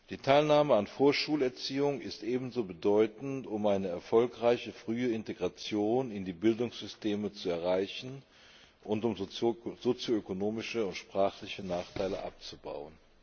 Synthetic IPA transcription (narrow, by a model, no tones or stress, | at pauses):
d̥iːtʰaɪlnaːməanfoːɐʃuːlɛɐt͡siːʊŋɪstʔeːbm̩zoːbədɔʏtn̩tʊmaɪnəɛɐfɔlkʁ̥aɪçəfʁ̥yːəɪnteɡʁat͡sjoːnɪndiːbɪldʊŋsz̥ʏsteːmət͡suɛɐʁaɪçn̩ | ʔʊntʊmz̥ot͡sjoøkonoːmɪʃəʊntʃpʁ̥aːχlɪçənaːχtʰaɪləʔa̰p̚t͡suba̰ʊən